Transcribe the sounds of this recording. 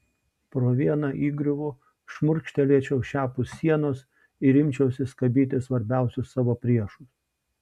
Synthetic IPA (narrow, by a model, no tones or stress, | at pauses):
pɾoːʋʲiɛnɑʔiːɡɾʲʊʋʊ | ʃmʊɾʲkʃʲt̪ʲɛlʲiɛt͡ʃʲɛʊʃʲæːpʊsʲsʲiɛnoːs | ɪɾʲɪmʲt͡ʃʲɛʊsʲɪskɐbʲiːt̪ʲɪsʋɐɾʲbʲæˑʊsʲʊsːɑːʋoːpʲɾʲiɛʃʊs